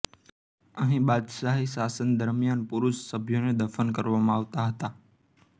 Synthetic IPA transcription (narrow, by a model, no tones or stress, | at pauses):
əʋĩːɓaːd̪ʃaːɦisaːsən̆d̪əɾmijaːnpʊɾʊssɐbʱijonẽd̪ɐfənkɐɾʋamãaːʋt̪aɦɐt̪aː